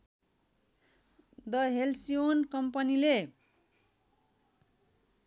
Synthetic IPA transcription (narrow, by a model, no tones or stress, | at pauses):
d̪ʌɦelsionkʌmpʌnile